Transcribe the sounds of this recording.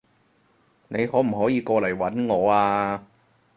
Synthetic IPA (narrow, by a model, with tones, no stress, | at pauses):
ne˨˧jhɔː˨˥m̩˨˩hɔː˨˥jiː˨˧kɔː˧lɐ˨˩jwɐ˨˥nŋɔː˨˧aː˧